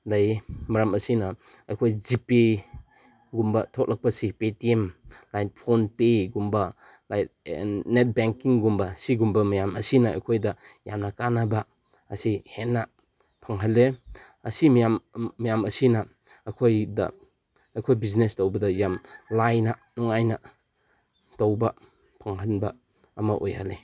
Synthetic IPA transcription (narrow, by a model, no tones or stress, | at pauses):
lajmɐɾamɐsinɐ | ɐjkʰojzipi | ɡumbɐtʰɔk̚lʔak̚pɐsipetiemlajt̚pʰonpeɡumbɐ | lajtnet̚beŋkiŋɡumbɐsiɡumbɐmɐjamɐsinɐɐ̰jkʰojdɐjamnɐkanaba | ɐsihenːa | pʰɐŋɦalːe | ɐsimjamːɐjamɐsinɐː | kʰojdɐ̰ | ɐkʰojbiznestowbɐdɐjamlajnɐnuŋajnɐ | towbɐ | pʰɐŋɦanbɐ | ɐmɐʔojhale